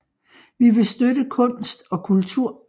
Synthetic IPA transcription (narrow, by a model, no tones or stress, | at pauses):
ʋiʋe̝sd̥ødəkʰɔ̽n̰sd̥ɒ̽kʰult͡sʰuɐ̰